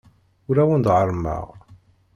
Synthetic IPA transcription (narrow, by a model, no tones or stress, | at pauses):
ʊɾæwənd̪ʁəɾˤmə̰ʁ